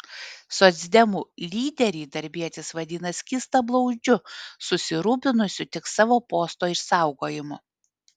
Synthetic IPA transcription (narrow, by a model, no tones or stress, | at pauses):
sɔt̪zʲd̪ʲɛmuːlʲiːd̪ʲɛɾʲiːd̪ɐɾʲbʲiɛt̪ʲɪsʋɐd̪ʲinɐskʲiːst̪ɐblˠɒʊd͡ʒʲʊsʊsʲɪɾuːp̬ʲɪnʊsʲʊt̪ʲɪksɑːʋoːpoːst̪oːɪʃsɑˑʊɡoːjɪmʊ